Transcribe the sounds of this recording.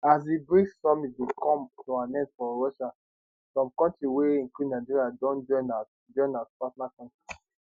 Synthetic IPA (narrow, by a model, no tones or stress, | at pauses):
az̬ibɹisɔmitdukʰɔ̃mtuãnɛtfɔɹɔʃa | sɔ̃mkɔ̃ntɹiweĩnkludnaɪd͡ʒiɹiadɔ̃nd͡ʒɔ̃ɪ̃na | d͡ʒɔ̃ɪ̃natpatnakɔ̃ntɹi